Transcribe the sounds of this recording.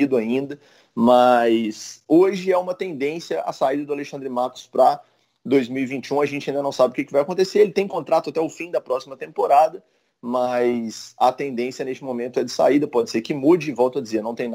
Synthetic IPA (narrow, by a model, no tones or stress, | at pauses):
id̪ʊaĩnd̪ɐ | mɐsoʒɪɛũmɐt̪ẽnd̪ẽsjɐʔɐ̰said̪ɐd̪ʊaleʃɐ̃nd̪ɾɪmaɾkʊ̥spɾɐ | d̪ojzmiwivĩnt͡ʃɪũɐʒẽnt͡ʃɪaĩd̪ɐnɐ̃w̃sabɪʊkekɪvajɐkõnt̪eseɾelɪt̪ẽj̃kõnt̪ɾat̪ʊat̪ɛʊfĩd̪ɐpɾɔsimɐt̪ẽmpoɾad̪ɐ | mɐsɐt̪ẽnd̪ẽsjɐnest͡ʃɪmomẽnt̪ʊɛd͡ʒɪsa̰id̪ɐpɔd͡ʒɪseɾkɪmud͡ʒɪvɔwt̪ʊɐd͡ʒɪzeɾnɐ̃w̃t̪ẽj̃n